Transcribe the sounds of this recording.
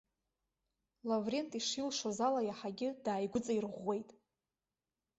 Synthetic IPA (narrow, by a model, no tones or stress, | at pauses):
lavre̞ntʼiʂilʂozalajaħaɡʲɪdaːjɡʷʊt͡sʼairʁʷːe̞jtʼ